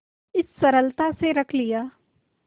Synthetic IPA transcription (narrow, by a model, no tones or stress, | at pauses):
ɪsːɐɾəlt̪aseɾɐkʰlijaː